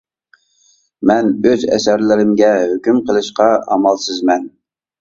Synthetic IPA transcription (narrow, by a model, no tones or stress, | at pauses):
mɛnøzɛ̰sæɾlɪɾɪmɡʲɛhøkʲymqʰəlˠɨʃqɑɑmɑlˠsɨzmɛn